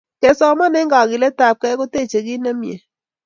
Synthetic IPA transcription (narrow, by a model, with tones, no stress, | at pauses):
ke˨sɔ˨ma˦nɛ˦ŋɡa˨ɣɪ˨le˦ta˨p̚kɛ˦ko˦te˦˨t͡ʃe˨ɡɪ˦na˦mjḛ˨